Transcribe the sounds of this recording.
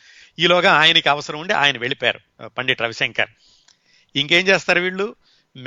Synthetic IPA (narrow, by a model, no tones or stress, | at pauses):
iːlɔːɡaːaːjɐnɐkiɐʋɐsɐɾɐmuɳɖeʔa̰ːjɐnɐʋe̞ɭipa̰ːɾṵ | pɐɳɖiʈɾɐʋiseŋkɐ̰ɾ | iŋke̞ːmt͡ʃeːst̪aːɾuʋiːɭːu | m